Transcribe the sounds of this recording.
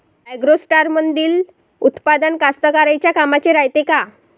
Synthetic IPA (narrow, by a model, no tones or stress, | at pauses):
aɡɾosʈaɾmənd̪iːl | ut̪pad̪ənkast̪əkaɾajt͡ɕjakamat͡ɕeɾajt̪eka